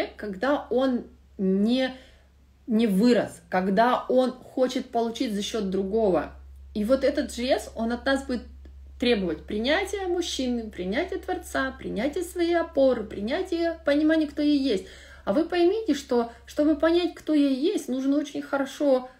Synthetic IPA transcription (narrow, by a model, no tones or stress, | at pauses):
ekkːɐɡd̪ao̞n | nʲɪ | nʲɪvɨɾəskɐɡd̪ao̞nxo̞t͡ɕɪt̪̚pəlˠʊt͡ɕitʲzɐɕːo̞t̪̚d̪ɾʊɡo̞və̰ivo̞t̪ɛt̪ət̪ʐɨlʲe̞so̞nɐt̪nasbudʲɪt̪ː | ɾʲe̞bəvətʲpɾʲɪnʲætʲɪjəmʊɕːinɨpɾʲɪnʲætʲɪjət̪vɐrt̪sapɾʲɪ̰nʲætʲɪjəsvɐijɐpo̞ɾɨpɾʲɪnʲætʲɪjəpənʲɪmanʲɪjəkt̪o̞jejjesʲtʲ | ɐvɨpəjmʲitʲɪʂt̪o̞ʂt̪o̞bɨpɐnʲætʲkt̪o̞jejjesʲtʲnuʐnəo̞t͡ɕɪnʲxəɾɐʂo̞